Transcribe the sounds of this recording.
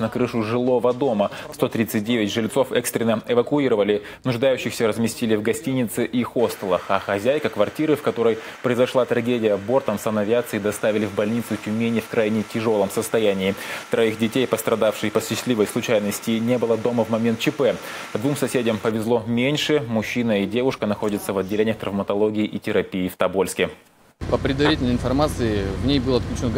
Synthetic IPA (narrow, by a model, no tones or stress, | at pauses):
nɐkɾɨʂʊʐɨlˠo̞vəd̪o̞məfst̪o̞t̪ɾʲit̪sɨt̚ʲdʲevʲɪtʲʐɨlʲt̪so̞fɛkst̪ɾʲɪnəɛvəkʊiɾəvəlʲɪ | nʊʐd̪ajʉɕːɪxsʲəɾəzmʲɪsʲtʲilʲɪvɡɐsʲtʲinʲɪt̪sɨʔixo̞st̪əlˠəxɐxɐzʲæjkəkvɐrtʲiɾɨfkɐt̪o̞ɾəjpɾəɪzɐʂlˠat̪ɾɐɡʲedʲɪjəbo̞rt̪əmsɐnɐvʲɪat̪sɨid̪ɐst̪avʲɪlʲɪvbɐlʲnʲit̪sʊtʲʊmʲenʲɪfkɾʔajnʲɪtʲɪʐo̞lˠəmsəst̪ɐjænʲɪːt̪ɾɐixdʲɪtʲejpəst̪ɾɐd̪afʂɨjpəɕɪsʲtʲlʲivəjslˠʊt͡ɕæjnəsʲtʲɪnʲe̞bɨlˠəd̪o̞məvmɐmʲe̞nt̪t͡ɕɪpɛ | pd̪vumsɐsʲedʲəmpəvʲɪzlˠo̞mʲenʲʂɨmʊɕːinəidʲe̞vʊʂkənɐxo̞dʲɪt̪səvɐdʲːɪlʲenʲɪjəxt̪ɾəvmət̪ɐlˠo̞ɡʲɪɪʔitʲɪɾɐpʲijːft̪ɐbo̞lʲskʲɪ | pəpɾʲɪd̪vɐɾʲitʲɪlnəɪnfɐrmat̪sɨɪvnʲejbɨlˠəɐt̪̚klʲʉt͡ɕɪno